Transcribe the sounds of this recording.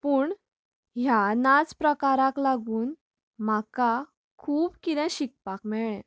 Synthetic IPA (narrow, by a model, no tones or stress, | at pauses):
puːɳ | ɦjanad͡zpɾəkaɾaklaɡuːn | m̤aka | kʰuːbkid̪ɛ̃ɕik̚pakmɛɭɛ̃